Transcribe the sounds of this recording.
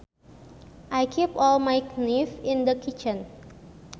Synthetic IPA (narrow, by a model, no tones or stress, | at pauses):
ʔajkʰipɔlmajknifĩnd̪əkʰit͡ʃə̃n